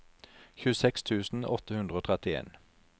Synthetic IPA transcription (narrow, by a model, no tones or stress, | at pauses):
çʉːəsɛkst̪ʰʉːsn̩ɔt̪əhʉnd̪ʁoːt̪ʰʁɛt̪ɪḛːn